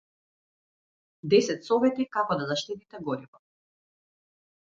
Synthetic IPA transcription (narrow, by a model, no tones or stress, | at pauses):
d̪ɛsɛt̪sɔvɛt̪ikakɔd̪azaʃt̪it̪it̪ɛɡɔɾivɔ